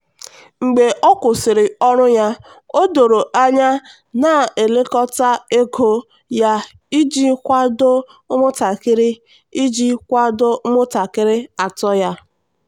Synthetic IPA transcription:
ŋ͡m̩˨ɡ͡be˨ʔɔ˦kʊ˨sɪ˨ɾɪ˨ɔ˦ɾʊ˦ja˦ | o˦do˨ɾo˨ʔa˦ɲa˦ | na˨e˨le˦kɔ˦ta˦e˦kʰo˦ | ja˦ | i˦d͡ʒi˦kʷa˦dʊ˦ | ʊ˦mʊ˦ta˨kɪ˦ɾɪ˦ | i˦d͡ʒi˦kʷa˦dʊ˦mʊ˦ta˨kɪ˦ɾɪ˦a˨tɔ˦ja˦

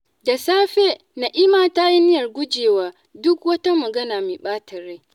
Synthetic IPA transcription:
da˨saː˦ɸe˦ | na˨ʔɪ˦maː˦ta˦ji˦nɪ˦jɐ˨rɡʷʊ˦d͡ʒeː˨waː˦ | dʊ˦kwɐ˦tɐ˦mɐ˨ɡɐ˦naː˨me˨ɓaː˦tʰɐ˨ɾe˦

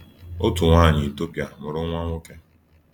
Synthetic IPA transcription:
o˦tʊ˨ŋʷaː˦˨ɲɪ˨i˨to˦pja˨mʊ˨ɾʊ˦ŋʷa˦ŋʷʊ˦ke˦

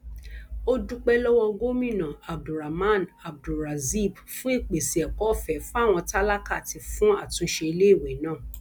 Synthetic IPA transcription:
o˦du˦k͡pɛ˦lɔ˦w̃ɔ̃˧ɡo˦mĩ˦˨nã˨a˨b̚du˨ɾa˨mã˦˨na˨b̚du˨ɾa˨zi˦˨b | fũ˦i˦˨k͡pe˨si˨ɛ˨kɔ˨˦˨fɛ˨˦fũ˦a˦˨w̃ɔ̃˧ta˦la˦ka˦˨ti˧fũ˦a˦˨tũ˧˦ʃe˧i˧le˦i˦˨wɛ˨˦nãː˦˨

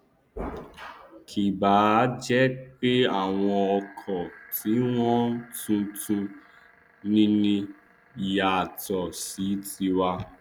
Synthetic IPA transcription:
kʰi˨ba˨˦d͡ʒɛ˦k͡pe˦a˦˨w̃ɔ̃˧ɔ˧kʰɔ̃˨ti˨˦w̃ɔ̃˦tũ˧tũ˧ | nĩ˦nĩ˧˨ | ja˨tɔ˨si˨˦ti˧wa˧

